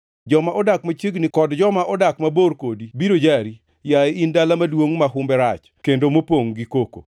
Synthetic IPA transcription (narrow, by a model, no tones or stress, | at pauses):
d͡ʒɔmaʔɔdakmat͡ʃeɡnikɔdd͡ʒɔmaʔɔdakmaboɾkodibiɾod͡ʒaɾi | jaeindalamadwoŋmaɦʊmbɛɾat͡ʃ | kendomopoŋɡikoko̰